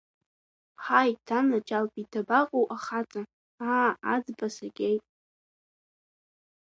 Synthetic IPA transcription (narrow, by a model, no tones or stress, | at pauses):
ħajtʰamat͡ʃʼalpʼidʰabaqʼowʔaχat͡sʼa | aa̰d͡zbasaɡʲejtʼ